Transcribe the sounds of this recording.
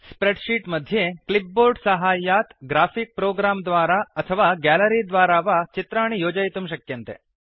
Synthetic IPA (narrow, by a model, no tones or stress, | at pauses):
spɾeʈʃiːʈməd̪ʱːjeklip̚boɾɖsəɦaːjːat̪ɡɾafik̚pɾoːɡɾamd̪ʋaːɾaət̪ʰəʋaɡæləɾid̪ʋaːɾaʋat͡ʃit̪ɾaɽ̃ijoːd͡ʒajt̪umʃ̬ɐkjənt̪ḛ